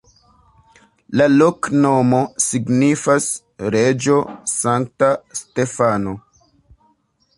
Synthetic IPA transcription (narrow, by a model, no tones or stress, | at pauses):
laloknomo̞siɡnifas | ɾed͡ʒosaŋk̚taste̞fano̞